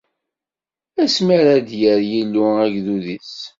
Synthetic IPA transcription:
æsməɾad̪jəɾjilːuæɡðuðis

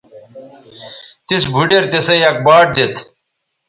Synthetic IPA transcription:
t̪isbʱuɖeɾt̪esɐjɐk̚baːʈ̚d̪et̪ʰ

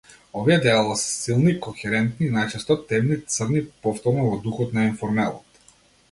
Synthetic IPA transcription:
ɔviɛd̪ɛalˠasɛ̥silˠnikɔxɛɾɛnt̪niːnajt͡ʃɛst̪ɔt̪ɛmnit̪sərnipɔft̪ɔɾnɔvɔd̪uxɔt̪nainfɔɾmɛlˠɔ̰t̪

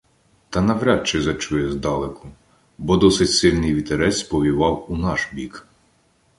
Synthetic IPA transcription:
t̪ɐnɐʋɾʲat͡ʃɪzɐt͡ʃujɛzd̪ɑlˠekʊ | bɔd̪ɔsɪtʲsɪlʲnɪjʋʲit̪eɾɛsʲpɔʋʲiʋɑwunɑʃbʲik

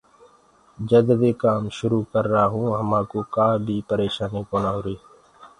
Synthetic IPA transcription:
d͡ʒəd̪d̪eːkaːmʃʊɾukəɾːaːɦũːɦəmãːkoːkaːbʱiːpəɾeːʃaːnikoːnaːɦoːɾeː

